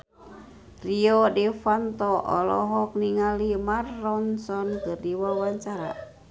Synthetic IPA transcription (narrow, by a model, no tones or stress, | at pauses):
riɔdɛfant̪ɔʔɔ̰lɔ̰ɦɔk̚niŋalimarːɔnsɔnkɨrdiwawaɲt͡ʃaɾa̰